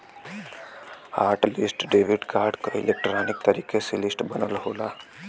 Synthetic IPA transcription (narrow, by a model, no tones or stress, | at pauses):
aːɾʈlɪsʈɖeːʋiɖkaːɾɖkoɪ̰lek̚ʈɾaːnɪk̚t̪ɐɾiːkeselɪsʈbɐnəlɦoːlaː